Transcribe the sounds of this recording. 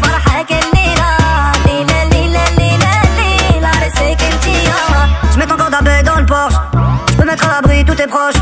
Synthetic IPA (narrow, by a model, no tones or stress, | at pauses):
fɑɾħakɛlːiɾɑlilɛlilɛlilɛlilaɾesekɪlt̪ijɔʒəmɛt̪ɑ̃kɔʁd̪abɛd̪ɑ̃ləpɔʁʃʒəpəmɛt̪χalabʁit̪̬ut̪ɛpχɔʃ